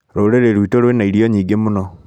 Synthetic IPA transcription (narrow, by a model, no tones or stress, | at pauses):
ɾoɾeɾeɾwiːtoɾwenaiɾioɲiːɡemunɔ